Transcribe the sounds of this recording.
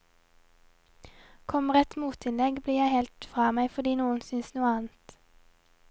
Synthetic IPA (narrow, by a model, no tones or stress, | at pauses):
kʰɔməʁɛt̪muːt̪ɪnlɛɡbliːjæɪhɛlt̪fʁɑːmæɪfɔd̪iːnuːənsʏnsnuːəɑːnt̪